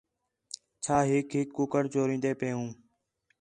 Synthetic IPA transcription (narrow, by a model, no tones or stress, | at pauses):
t͡ʃʰaːɦɪkɦɪkːʊkəɽt͡ʃoːɾĩːnd̪eːpeːũː